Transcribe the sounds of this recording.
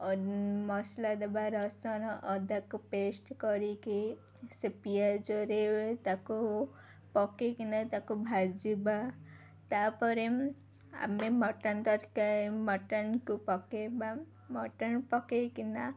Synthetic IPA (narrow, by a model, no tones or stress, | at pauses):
mʌslad̪abaɾʌsʌnɔʔʌd̪akopesʈkʌɾiki | sepijad͡ʒoɾet̪ako | pɔkekinat̪akobʱad͡ziba | t̪apʌɾe | a̰memʌʈant̪ʌɾkamʌʈankupɔkeba | mʌʈanpɔkekina